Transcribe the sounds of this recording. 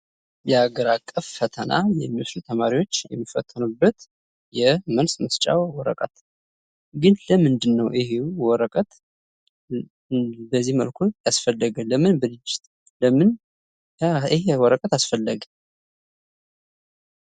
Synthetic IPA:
jɛaɡəɾakʼːəffət̪ʰəna̰jɛ̰mːiwoslut̪ʰəmaɾiwo̞t͡ʃːjɛ̰mːifə̰t̪ʰːənubːət̪ | jɛmənsməst͡ʃʼa̰wwɔɾə̰kʼət̪ | ɡɨnləmɨnd̪ɨnːəwʔiɦewwɔɾəkʼət̪ | bəzːihmə̰lkʰujasfəlːəɡələmɨnbəlɨd͡ʒɪt̪ʼ | ləmɨn | iɦewɔɾəkʼət̪asfəlːəɡ

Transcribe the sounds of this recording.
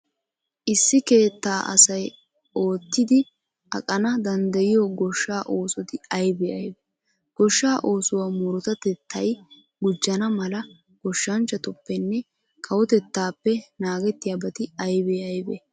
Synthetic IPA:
ʔɪsːɪke̞ːt̪ːaːʔɐ̰sɐj | o̞ːt̪ːɪd̪ɪ | ʔɐ̰kʼɐnɐd̪ɐnd̪ɐjɪjoːɡɔʃːaːʔo̞ːsɔt̪ɪɐjbeɐjbɛ | ɡ̥ɔʃːaːʔo̞ːsʊwaːmʊɾʊt̪ɐt̪ɛt̪ʰːɐj | ɡʊd͡ʒːɐnɐmɐlɐ | ɡ̥ɔʃːɐnt͡ʃːɐt̪ʊpːɛnːɛ | kʰɐwɔt̪ɛt̪ːaːpːɛnaːɡɛt̪ːɪjaːbɐt̪ɪɐjbeːɐjbɛ̰

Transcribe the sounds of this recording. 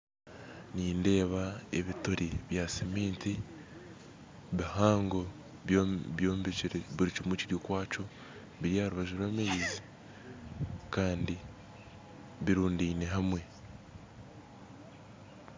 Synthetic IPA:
niːnde̞ːβae̞̰βitoɾiβjasimiːnti | βihaːŋɡo̞ | ββjoːmbiiɾeβiɾit͡ʃimuciɾjokwaːt͡ʃo̞ | βiɾjahaɾuβaʒiɾwaːmeizi | kaːndi | βiɾuːndiːne̞ɦamwe̞

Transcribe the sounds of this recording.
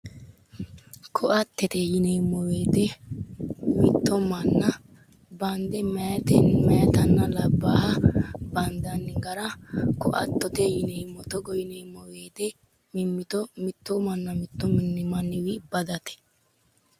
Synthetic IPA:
kʰɔʔɐt̪ːɛt̪ejɪnejmːɔweːd̪ɛ | mɪt̪ːɔmɐnːɐ | bɐnd̪ɛmɐjɐt̪ɛmɐjɐt̪ɐnːɐlɐbːaːhɐbɐnd̪ɐnːɪɡɐɾɐkɔʔɐ̰t̪ːɔt̪ejɪnejmːɔt̪ɔɡɔjɪnejmːɔweːd̪ɛ | mɪmːɪt̪ɔmɪt̪ːɔmɐnːɐmɪt̪ːɔmɪnːɪmɐnːɪwɪbɐd̪ɐt̪ɛ̥

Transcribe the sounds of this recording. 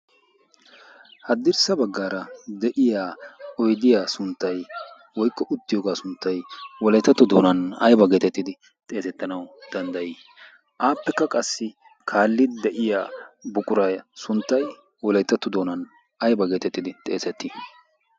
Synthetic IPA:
hɐd̪ːɪɾsɐbɐɡːaːɾɐd̪ɛʔɪjaːɔjd̪ɪjaːsʊnt̪ːɐj | wɔjkːɔʔʊt̪ːɪjo̞ːɡaːsʊnt̪ːɐjwɔlɐjt̪ːɐt̪ːʊd̪o̞ːnɐnɐjbɐɡe̞ːt̪ɛt̪ːɪd̪ɪ | t̪ʼe̞ːsɛt̪ːɐnɐwd̪̥ɐnd̪ɐjɪː | ʔaːpːɛkːɐkʼɐsːɪ | kʰaːlːɪd̪d̪ɛʔɪjaːbʊkʼʊɾɐjsʊnt̪ːɐj | wɔlɐjt̪ːɐt̪ːʊd̪oːnɐn | ʔɐjbɐɡe̞ːt̪ɛt̪ːɪd̪ɪt̪ʼe̞ːsɛt̪ːɪ

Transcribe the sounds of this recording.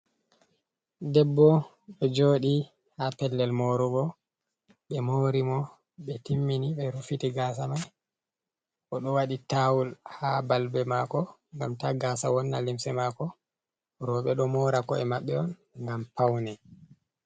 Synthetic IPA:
dɛbːɔ | ɓɛd͡ʒoːɗi | hapɛlːɛlmoɾuɡɔ | ɓɛmoɾimɔ | ɓɛtimːiniɓɛɾufitiɡaːs̬amaj | ʔɔɗɔwaɗitawulhabalbɛmakɔŋɡamtaɡaːsawɔnːa̰limsɛmakɔ | ɾɔɓɛɗɔmɔːɾakɔɛmaɓːɛɔn | ŋɡampawnɛ

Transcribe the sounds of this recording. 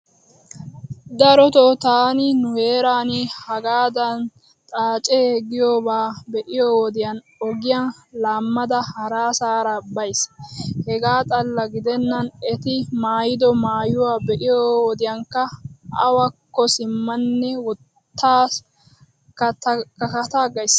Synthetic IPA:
d̪ɐɾɔt̪ɔt̪aːnɪnʊhe̞ːɾaːnɪhɐɡaːd̪ɐn | t̪ʼaːt͡ʃʼeɡɪjoːbaːbɛʔɪjoːwɔd̪ɪjɐn | ɔɡɪjɐn | laːmːɐd̪ɐhɐɾaːsaːɾɐbɐjshɛɡaːt̪ʼɐlːɐɡɪd̪ɛnːɐnɛt̪ɪmaːjɪd̪ɔmaːjʊwaːbɛʔɪjowɔd̪ɪjɐŋkːɐɐwɐkːɔsɪmːɐnːɛwɔt̪ːaːs | kɐt̪kɐkɐt̪aːɡɐjs

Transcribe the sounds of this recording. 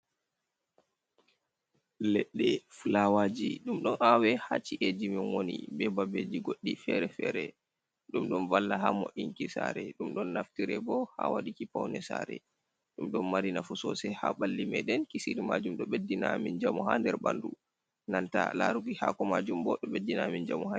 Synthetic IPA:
lɛɗːɛfulawad͡ʒiɗumɗɔnʔawɛhat͡ʃiʔed͡ʒiminwonḭbɛbabed͡ʒiɡoɗːifɛɾɛfɛɾɛ | ɗumɗɔnvalːaɦamɔ̰ʔiŋkisaɾɛɗumɗɔnːaftiɾɛbɔha̰waɗikipawnɛsaɾɛ̰ | ɗumɗɔnmaɾinafusɔsɛhaɓalːimɛɗɛnkisiɾimad͡ʒumɗɔɓedːinamind͡ʒamɔhandɛɾbandu | nantalaɾuɡihakɔmad͡ʒumbɔɗɔɓedːinamind͡ʒamɔa

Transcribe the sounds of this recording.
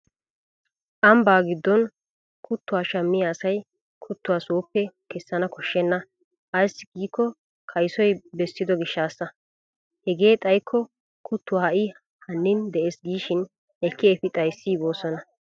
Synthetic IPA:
ʔɐmbaːɡɪd̪ːɔn | kʰʊt̪ːʊwaːʃɐmːɪjaːsɐj | kʰʊt̪ːʊwaːsuːpːɛkɛsːɐnɐkɔʃːɛnːɐ | ʔɐjsːɡiːkʰːɔ | kʰɐjsɔjbɛsːɪd̪ɔɡɪʃːaːsːɐ | hɛɡe̞ːt̪ʼɐjkʰːɔ | kʰʊt̪ːʊwaːɐʔɪ | hɐnːɪnd̪ɛʔeːsɡiːʃɪn | ʔɛkʰːɪɛfɪt̪ʼɐjsːiːboːsɔnɐ

